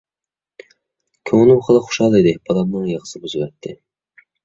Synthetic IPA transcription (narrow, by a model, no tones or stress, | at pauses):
kʲʰøŋlymχəlˠəχʊ̥ʃɑlˠɨjd̪ɨb̥ɑlˠɑmnɨŋjɑʁə̥sɨbyzɨwɛt̪ʰːɪ